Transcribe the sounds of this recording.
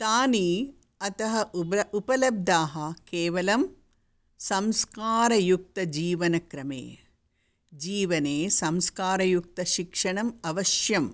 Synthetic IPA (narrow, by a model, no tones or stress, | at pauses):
t̪aːniː | ɐt̪ɐɦɐupɐlɐb̚d̪ʱaːɦɐkeːʋɐlɐm | sɐmskaːɾɐjuk̚t̪ɐd͡ʒiːʋɐnɐkɾɐmḛː | d͡ʒiːʋɐneːsɐmskaːɾɐjuk̚t̪ɐʃikʂɐɳɐmɐʋɐʃjɐm